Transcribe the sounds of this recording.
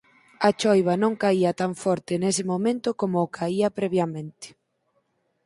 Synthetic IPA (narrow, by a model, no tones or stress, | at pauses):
ɐt͡ʃɔjβɐnõŋkaiɐt̪aɱfɔɾt̪ɪnesɪmomẽnt̪ʊkomoːkʰaiɐpɾɛβjɐmẽnt̪ɪ̥